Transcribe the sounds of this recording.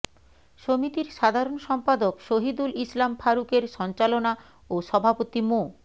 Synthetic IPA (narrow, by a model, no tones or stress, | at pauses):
ʃomit̪iɾʃad̪ʱaɾonʃɔmpad̪okʃoɦid̪ulislamfʰaɾukeɾʃɔnt͡ɕalona | oʃɔbʱapot̪imo